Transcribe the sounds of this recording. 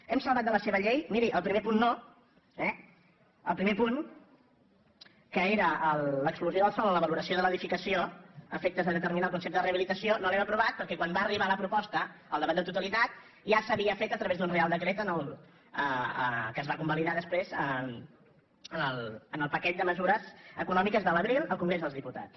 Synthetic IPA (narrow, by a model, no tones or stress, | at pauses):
ɛmsəlˠβat̪̚d̪ələseβəʎejmiɾiʔəlˠpɾimepunːo | ɛ | ə̰lˠpɾimepun | kəeɾəəlləkskluzjoðəlˠfonləβəluɾəsioðələðifikəsioəfek̚t̪əzðəðət̪əɾminalˠkunsep̚t̪əðəreəβilit̪əsionolɛməpɾuβat̪̚pəɾkɛkwambaːriβaləpɾupɔst̪əəlˠəβat̪d̪ət̪ut̪əlit̪at̪̚ | ʒasəβiəfet̪ət̪ɾəβezd̪unrealˠd̪əkɾet̪ənəlˠ | əəkəːzβakumbəliðaðəspɾezə | ənəlˠənəlˠpəkɛt̪̚d̪əməzuɾəzəkunɔmikəzðələβɾilˠəlˠkuŋɡɾezðəlzðiput̪a̰t͡s